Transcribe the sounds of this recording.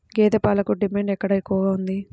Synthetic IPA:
ɡeːd̪epaːlɐkuɖimeːɳɖɛkːɐɽɐekːuʋɐɡaːund̪i

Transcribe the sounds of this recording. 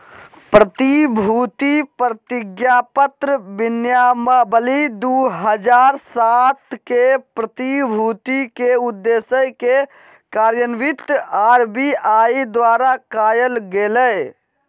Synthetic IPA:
pɾət̪ibʱut̪ipɾət̪iɡjapət̪ɾəbinjaməbəlid̪uɦəd͡ʒaɾsat̪kepɾət̪ibʱut̪ikeud̪ːesəjke | kaɾjənʋit̪aɾbiaid̪waɾakajəlɡelə

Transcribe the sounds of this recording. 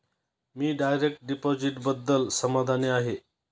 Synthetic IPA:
miːɖajɾek̚ʈ̚ɖipod͡ʑiʈbəd̪ːəlsəmad̪ʱaneaɦe

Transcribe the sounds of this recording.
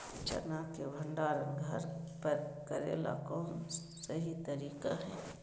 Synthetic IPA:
t͡ʃɐ̰nakebʱə̃ɳɖaːɾənɡʱɐɾpəɾkəɾḛːla̰koːn | sɐɦit̪ɐɾiːkaɦɛ̃ː

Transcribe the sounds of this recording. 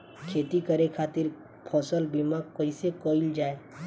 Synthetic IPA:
kʰeːt̪ikəɾekʰaːt̪ɪɾ | pʰɔːsəlbimãkɔisekoild͡ʒaːe

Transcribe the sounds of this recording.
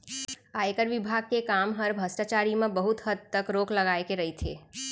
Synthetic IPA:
aekəɾʋɪbʱaɡ̚kekamɦəɾbʱəsʈat͡ʃaɾimãbəɦut̪ɦəd̪̚t̪əkɾokʰləɡajkeɾəɦit̪ʰḛ

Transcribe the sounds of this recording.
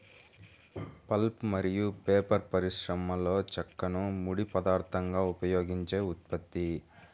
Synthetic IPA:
pɐlpmɐɾijupeːpɐɾpɐɾiʂɾɐmɐlo̞ːt͡ʃɐkːɐnumuɽipɐd̪aːɾt̪ʰɐŋɡaːupɐjoːɡiɲt͡ʃe̞ːut̪̚pɐt̪ːi

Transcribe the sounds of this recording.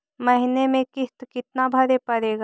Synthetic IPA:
mɐɦinemẽkɪt̪kɪt̪nabʱɐɾepɐɾeːɡaː

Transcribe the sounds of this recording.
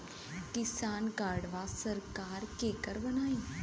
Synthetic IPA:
kɪsaːnkaːɽʋasəɾkaːɾkeːkəɾbɐnaːĩː

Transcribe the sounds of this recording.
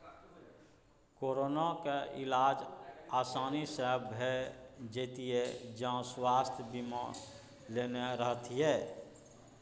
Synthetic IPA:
koːɾoːnakeʔɪ̰laːd͡ʒaːsaːnisəɦəbɦɛd͡ʒeːt̪ied͡ʒãswaːst̪ʰjbimã̰ | leːneɾəɦət̪ɦɛː

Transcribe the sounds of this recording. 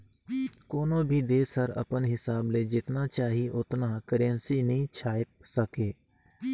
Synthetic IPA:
koːnõbʱid̪eːsəɾɐ̰pənɦɪsaːbled͡ʒɪt̪nat͡ʃaːɦiʔʊt̪nakəɾənsinəɦĩt͡ʃʰaːɪp̪səkeː

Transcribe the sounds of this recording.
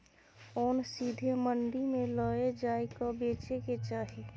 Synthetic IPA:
ɔːnsiːd̪ʱeməɳɖimẽlɔːed͡ʒaːikabeːt͡ʃeket͡ʃaːɦe

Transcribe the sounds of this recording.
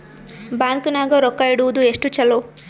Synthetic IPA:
baːŋkunaːɡɐɾɔkːɐjiɽuʋud̪ueʂʈut͡ʃɐlo

